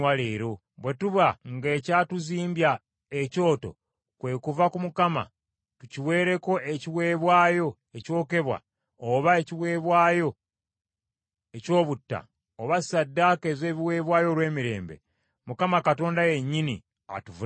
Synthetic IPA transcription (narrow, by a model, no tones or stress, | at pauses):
wale̞ːɾo̞ | βwe̞tuβaŋɡeːcatuziːmbja | eco̞ːto̞̰ | kwe̞kuvakumukama̰ | tuciwe̞ːɾe̞ko̞ʔeciwe̞ːβwaːjo̞ | e̞co̞ːke̞βwa̰ | oβaeciwe̞ːβwaːjo̞ | eco̞ːβutːa̰ | oβasadːaːkeze̞ːβiwe̞ːβwaːjo̞lwe̞ːmiɾe̞̰ːmbe̞̰ | mukamakato̞ːndaje̞ɲːini | a̰tuvu